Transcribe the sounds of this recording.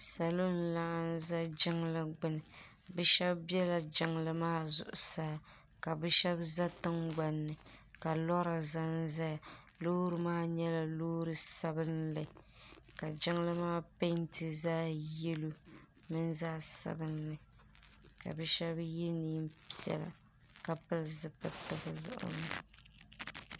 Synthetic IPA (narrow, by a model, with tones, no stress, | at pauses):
sa˨lo˦n̩˦la˨˦n˦za˦d͡ʒɪ˦ŋlɨ˨ɡ͡bɨ˦nɨ˨ | bɛ˦ʃɛ˦bbjɛ˦la˨d͡ʒɪ˦ŋlɨ˦maː˦zʊ̰˨ʔʊ̰˨saː˦ | ka˨bɛ˦ʃɛ˦bza˦tɨ˦ŋɡ͡ba˨nːɨ˨ka˨lɔ˦ɾa˨za˦nza˦ja˨ | loː˦ɾɨ˨maː˦ɲɛ˦la˨loː˦ɾɨ˨sa˦bɨ˦nlɨ˨ | ka˨d͡ʒɪ˦ŋlɨ˦maː˦pe˦ntɨ˨zaː˦je˦lu˦ | mɨ˦nzaː˦sa̰˨bɨ˦nːɨ˨ | ka̰˨bɨ˦ʃɛ˦bjɛ˦niː˦mpi˦ɛ̰˨la̰˨ | ka˨pɨ˦lzɨ˨pɨ˨tɨ˨bɨ˨zʊ̰˦ʔʊ̰˨nɨ˨